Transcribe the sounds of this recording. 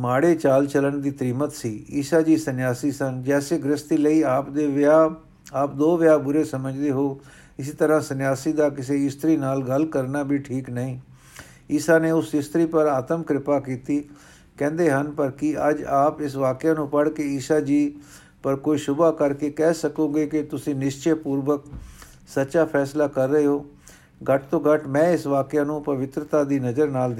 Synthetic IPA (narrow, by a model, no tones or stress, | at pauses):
maːɽeːt͡ʃaːlt͡ʃələɳd̪iːt̪ɾiːmət̪siːiːsaːd͡ʒiːsənjaːsiːsənd͡ʒɛːseːɡɾɪst̪iːləiːaːpd̪eːʋaː | aːp̚d̪oːʋɪjaːbʊɾeːsəməd͡ʒd̪eːɦoː | ɪs̬iːt̪əɾãːsənjaːsiːd̪aːkɪseːɪst̪ɾiːnaːlɡəlkəɾnaːbʱiːʈʰiːknəĩː | ɪːsaːneːʊsɪst̪ɾiːpəɾaːt̪əmkɾɪpaːkiːt̪iː | kɛ̃ːnd̪eːɦənpəɾkɪəd͡ʒaːpɪsʋaːkɪjaːnũːpəɽkeiːsaːd͡ʒiː | pəɾkoːiːʃʊbaːkəɾkeːkɛːsəkõːɡeːkɪt̪ʊsĩːnɪʃt͡ʃepuːɾʋək̚ | sətːʃaːpʰɛːslaːkəɾːəeːɦoː | ɡəʈt̪õːɡəʈmɛ̃ːɪsʋaːkɪjãːnũːpəʋɪt̪ɾət̪aːd̪iːnəzəɾnaːld̪